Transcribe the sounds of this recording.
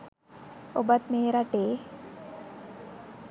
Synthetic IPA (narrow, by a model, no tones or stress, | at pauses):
obat̪meːɾaʈeː